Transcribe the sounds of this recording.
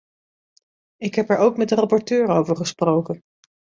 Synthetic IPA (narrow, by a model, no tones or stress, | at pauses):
ɪkɦɛpɛɹowkmɛt̚dərapɔɹtøːɹowvəɹχəsprowkən